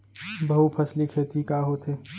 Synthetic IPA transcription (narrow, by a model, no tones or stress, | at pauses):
bɐɦupʰɐslikʰeːt̪ikaːɦot̪eː